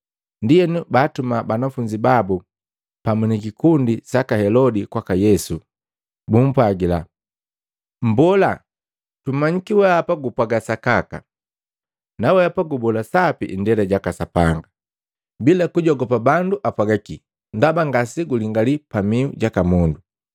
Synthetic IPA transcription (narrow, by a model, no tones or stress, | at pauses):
ndijɛnubatumabanafuɲd͡ʒibabu | pamunikikundisakahɛlɔdikwakajɛsu | bum̩pwaɡila | m̩bɔla | tum̩mːaɲikiwɛapaɡupwaɡasakaka̰ | nawɛapaɡubɔlasapḭʔndɛlaɟakasapa̰ŋɡa | bilakuɟɔɡɔpabanduʔapwaɡakḭ | ndabaŋɡasiɡuliŋɡalipamiuɟakamɔndu